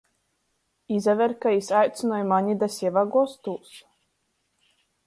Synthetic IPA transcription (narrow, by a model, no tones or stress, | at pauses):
izavʲɛɾkaisajt̪sɨnɔjmaɲid̪asʲɛvaɡɔst̪uːs